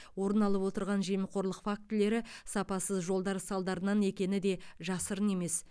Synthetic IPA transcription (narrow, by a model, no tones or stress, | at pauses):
wo̞ɾənɑlˠəpwo̞t̪əɾʁɑnʒeməqʰo̞ɾlˠəqfak̚t̪ɪle̞ɾɪsɑpɑsəzʒo̞lˠd̪ɑɾsɑlˠd̪ɑɾənɑne̞kʲe̞nɪd̪e̞ʒɑsəɾəne̞me̞s